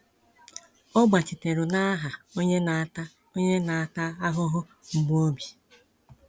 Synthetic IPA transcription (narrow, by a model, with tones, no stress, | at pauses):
ɔ˦ɡ͡ba˨t͡ʃɪ˨te˨ɾʊ˨na˦a˦ɦa˨o˦ɲe˦na˨a˦ta˦ | o˦ɲe˦na˨a˨ta˦a˦ɦʊ˦ɦʊ˦ | ŋ͡m̩˨ɡ͡bo˦bi˨